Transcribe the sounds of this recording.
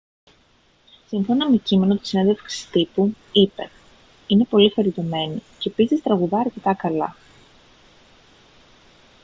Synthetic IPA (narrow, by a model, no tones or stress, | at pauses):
siɱfo̞nɐme̞cime̞no̞t̪i̥sineðe̞fksi̥st̪ipu | ipe̞ | ine̞po̞lixɐɾit̪o̞me̞nice̞ːpisist̪ɾɐɣuðɐːɾce̞t̪ɐkɐlɐ